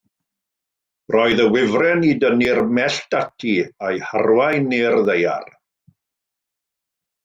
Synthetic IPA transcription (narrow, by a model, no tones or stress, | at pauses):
rɔɨðəwɪvrɛnidənirmɛɬtatʰiajharwajnɪrðeja̰r